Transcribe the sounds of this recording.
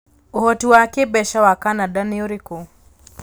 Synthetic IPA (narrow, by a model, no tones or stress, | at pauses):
uhɔtuwakeɓɛʃawakanadaniɔɾiku